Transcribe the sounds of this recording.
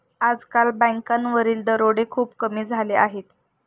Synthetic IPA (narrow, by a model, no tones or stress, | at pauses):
ad͡zkalbə̃ŋkanʋəɾiːld̪əɾoɽekʰuːpkəmiːd͡zʱaleʔaɦet̪